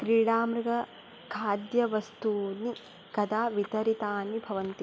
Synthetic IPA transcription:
kɾiːɽaːmɾɐɡɐ | kʰaːd̪jɐʋɐst̪uːni | kɐd̪aːʋit̪ɐɾit̪aːnibʱɐʋɐnt̪i

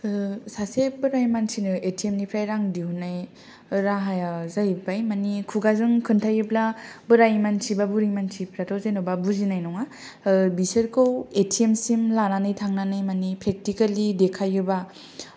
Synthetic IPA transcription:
sasebɯɾajmansʰinɯʔetʰiemnipʰɾajɾaŋdihunaj | ɾaɦajazajbajmanikʰuɡazɯŋkʰɯntʰajɯblabɯɾajmansʰibabuɾijmansʰipʰɾatʰɔwzajnɔbabuzinajnɔŋa | bisɯɾkʰowetʰiemsimlananɯjtʰaŋnanajmanipɾek̚tikalidekʰajɯba

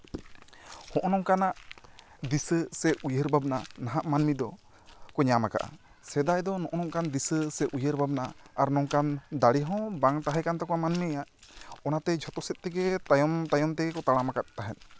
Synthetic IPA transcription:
hɔ̃ʔɔnɔŋkanaʔ | d̪isəsɛʔujəɾbabnanaɦaʔmanmid̪ɔ | kɔɲamaka̰ʔa̰ | sɛd̪ajd̪ɔnɔ̃ʔɔnɔŋkand̪isəsɛʔujəɾbʱabnaaɾnɔŋkand̪aɽiɦɔ̃baŋt̪aɦɛkant̪ɔkɔamanmijaʔɔnat̪ɛd͡ʒʱɔt̪ɔsɛt̪̚ˀt̪ɛɡɛt̪ajɔmt̪ajɔmt̪ɛɡɛkɔt̪aɽ̃amakat̪̚t̪aɦɛn̚

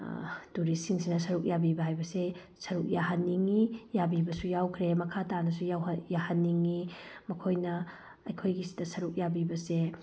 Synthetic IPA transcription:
duɾisiŋsinɐsɐɾuk̚jabibɐɦajbɐse | sɐɾuk̚jaɦɐnːiŋijabibɐsujawkʰɾemɐkʰatanɐsujawjahɐnːiŋimɐkʰojnɐː | jkʰojɡisi̥tɐsɐɾuk̚jabibɐse

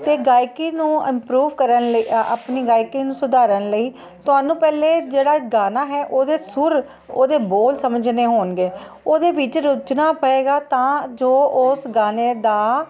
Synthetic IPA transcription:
t̪eːɡaːikiːnũːɪmpɾuːʋkəɾənləa̰ːpniːɡaːikiːnũːsʊd̪aːɾənləiː | t̪ʊaːnũːpɛːleːd͡ʒeːɽaːɡaːnaːɦɛːʔoːd̪eːsʊɾ | o̰ːd̪eːboːlsəməd͡ʒneːɦoːnɡeː | oːd̪eːʋɪt͡ʃɾʊt͡ʃnaːpəeːɡaːt̪ãːd͡ʒoːʊsɡaːneːd̪aː

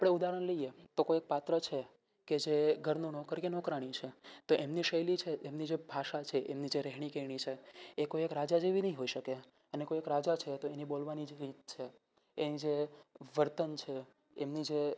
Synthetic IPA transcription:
apɽ̃eud̪aɾəɳləijet̪okojek̚pat̪ɾət͡ʃʰe | ked͡ʒeɡʱəɾnũnɔkəɾkenɔkɾaɽ̃ĩt͡ʃʰet̪oʔemniʃəjlit͡ʃʰeemnid͡ʒebʱaʃat͡ʃʰeʔemnid͡ʒeɾɛɦɳ̃ikeiɳ̃it͡ʃʰeːkoiekɾad͡ʒad͡ʒiʋinəɦĩɦoiʃəke | ənekoiekɾad͡ʒat͡ʃʰet̪oenibolʋanid͡ʒeɾit̪t͡ʃʰeː | nid͡ʒeʋəɾt̪ənt͡ʃʰeː | mnid͡ʒe

